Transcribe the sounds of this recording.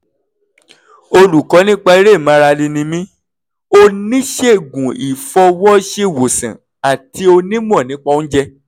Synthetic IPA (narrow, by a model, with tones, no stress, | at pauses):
o˧lu˨kɔ˨˦nĩ˦k͡pa˧˦i˦ɾe˦˨mã˨˦˧ɾa˧lĩ˧nĩ˧mĩ˦ | o˧nĩ˦ʃe˦˨ɡũ˨ḭ˨fɔ˧wɔ˦ʃe˦˨wo˨sã̰˨ | a˨ti˧˦o˧nĩ˦m˦ɔ̃˦˨nĩ˨˦k͡pa˧˦ñ̩˦d͡ʒɛ˧